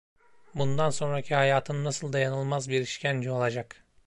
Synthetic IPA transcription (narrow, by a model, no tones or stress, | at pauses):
bund̪anso̞nɾacʰihajaːt̪ʰɯnːasɯlˠd̪ajanɯlˠmazbiɾiʃcʰænd͡ʒio̞lˠad͡ʒak